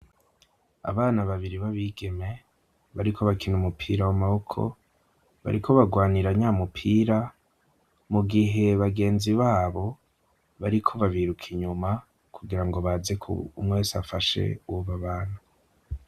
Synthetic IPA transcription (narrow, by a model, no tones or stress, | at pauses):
a̰βaːnaβaβiɾiβaβiːɡe̞me̞ | βaɾikʰo̞βakinumupʰiːɾawamahokʰo̞̰ | βa̰ɾikʰo̞βaɡwaːniɾaɲaːmupʰiːɾa | muɡiɦe̞βaɡe̞ːnziβaːβo̞ | βaɾikʰo̞βaβiɾukʰiɲuma | kʰuɡiɾaŋɡo̞βaːzekʰṵumŋesafaʃe̞̰uuβaβaːn̥u